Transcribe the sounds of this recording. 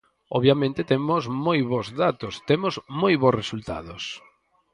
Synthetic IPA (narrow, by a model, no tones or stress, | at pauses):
ɔβjamẽnt̪ɪt̪emʊzmojβozðat̪ost̪emʊzmojβosresult̪a̰ðos